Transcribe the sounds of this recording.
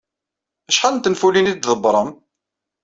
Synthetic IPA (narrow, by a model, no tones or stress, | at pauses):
æʃħalnt̪ənfulinid̪ðəbɾˤəm